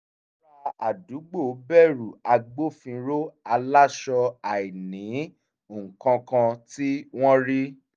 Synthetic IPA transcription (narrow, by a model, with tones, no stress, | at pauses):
ɾa˧˦a˨du˨˦ɡ͡bo˦˨o˨˦bɛ˦˨ɾu˨a˧ɡ͡bo˦fĩ˧ɾo˦a˧la˦ʃɔ˧a˨i˨nĩ˨˦ | o˨ŋ̩˨kã˧kã˧ti˦w̃ɔ̃˦ɾi˦